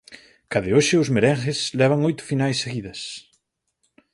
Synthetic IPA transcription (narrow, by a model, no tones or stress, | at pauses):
kaðɪoʃɪʊzmeɾɛŋxɪslɛβ̞ɐŋojt̪ʊ̥finajsːeɣiðɐs